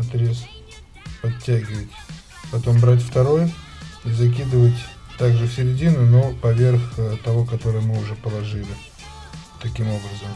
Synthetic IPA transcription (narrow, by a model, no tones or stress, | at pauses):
ɐt̪ɾʲe̞s | pɐtʲːæɡʲɪvətʲ | pɐt̪o̞mbɾat̬ʲft̪ɐɾo̞j | izɐk̬ʲid̪ɨvətʲt̪aɡʐɨfsʲɪɾʲɪdʲinʊno̞pɐvʲe̞rxt̪ɐvo̞kɐt̪o̞ɾɨjmɨʊʐɛpəlˠɐʐɨlʲɪ | t̪ɐkʲimo̞bɾəzəm